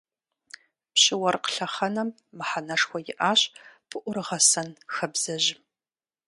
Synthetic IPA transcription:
pɕɪwɐrqə̥ɬɐχɐnɐmːɨħanɐʂxʷɔjɪʔaːɕpʰɨʔʷʊrɨʁɐsɐnxɐbz̥ɐʑɪ

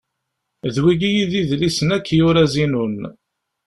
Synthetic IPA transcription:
ðwiɡijiðiðlisənækːjʊɾæzinun

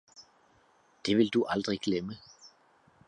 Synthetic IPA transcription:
d̥e̝ʋɪld̥uʔɑld̥ʁiɡ̥lɛmə

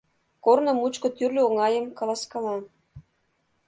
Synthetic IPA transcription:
kornɤ̆mut͡ɕkɤ̆t̪yrlʲøoŋɑjə̆mkɑlˠɑskɑlɑn

